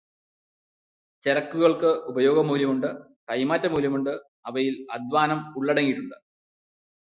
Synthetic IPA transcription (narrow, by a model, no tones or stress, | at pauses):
t͡ɕerɐkːuɣɐɭkɨʔubɐjo̞ːɡɐmuːljɐmuɳɖɨ | kɐjmaːtːɐmuːljɐmuɳɖɨ | ɐʋɐjilɐd̪ʋaːnɐmuɭːɐɽɐŋːiʈːuɳɖɨ̥